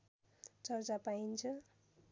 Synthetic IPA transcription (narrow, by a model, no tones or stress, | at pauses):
t͡sʌrt͡sapaint͡sʰʌ